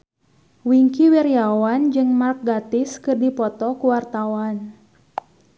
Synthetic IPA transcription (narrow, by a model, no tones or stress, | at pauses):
wiŋkiwirjawand͡ʒɨŋmark̚ɡat̪iskɨrdipɔt̪ɔkuwart̪awan